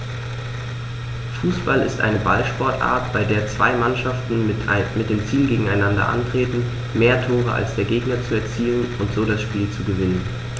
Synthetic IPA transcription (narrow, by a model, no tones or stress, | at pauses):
fuːsb̥alɪ̰stʔa̰ɪnəbalʃpɔɐtʔa̰ːɐtb̥aɪdeːɐt͡sv̥a̰ɪmanʃaftn̩mɪt̚d̥eːmt͡siːlɡeːɡŋ̩aɪnandɐ̰ʔa̰ntʁ̥eːtn̩ | meːɐtʰoːʁəa̰lsd̥eːɐɡeːɡnɐt͡suɛɐt͡siːənʊntz̥oːdasʃpiːlt͡suɡəvɪnən